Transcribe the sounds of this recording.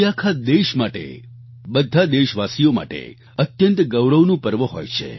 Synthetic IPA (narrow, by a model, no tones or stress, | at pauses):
akʰad̪eʃmaʈḛ | bəd̪ʱad̪eʃʋasijoma̰ʈḛ | ət̪jənt̪ɡəwɾəʋnũpəɾʋəɦo̰jt͡ʃʰḛ